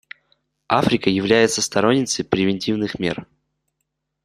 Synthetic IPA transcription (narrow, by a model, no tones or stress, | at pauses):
afɾʲɪkəjɪvlʲæjɪt̪səst̪ɐɾo̞nʲːɪt̪səjpɾʲɪvʲɪnʲtʲivnɨxmʲe̞̰r